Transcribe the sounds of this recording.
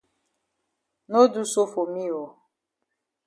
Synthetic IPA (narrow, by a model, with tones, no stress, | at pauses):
no˦du˦so˦fo˨mi˦ɔ˨